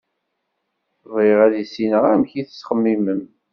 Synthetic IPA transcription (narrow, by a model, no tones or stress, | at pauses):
viʁæðisinəʁæmçiθəsχəmːiməm